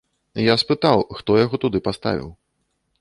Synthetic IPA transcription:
jaspɨt̪awxt̪ɔjaɣɔt̪ud̪ɨpast̪a̰vʲḭw

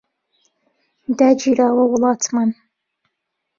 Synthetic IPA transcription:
d̪ad͡ʒiɾaːwɐwlˠɑtʰman

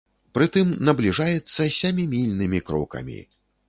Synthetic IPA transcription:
pɾɨt̪ɨmnɐblʲiʐajɛt̪sːɐsʲamʲimʲilʲnɨmʲikɾɔ̰kɐ̰mʲḭ

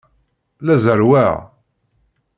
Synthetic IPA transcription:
læzəɾwæʕ

